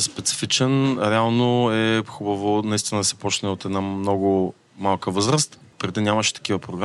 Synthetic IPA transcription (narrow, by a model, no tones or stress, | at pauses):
spɛt̪si̥fit͡ʃɛnɾɛalˠnoɛxubɐvonɐist̪inəd̪ɐsɛ̥pɔt͡ʃnɛot̪ɛd̪namnɔɡʊ | malˠkəvɤzɾəst̪pɾid̪innʲjamɐʃɛ̥t̪ɐ̥kivəpɾoɡɾa